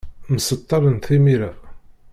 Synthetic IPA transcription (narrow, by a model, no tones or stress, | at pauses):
məsət̪ˤːɑɾˤənθimiɾæ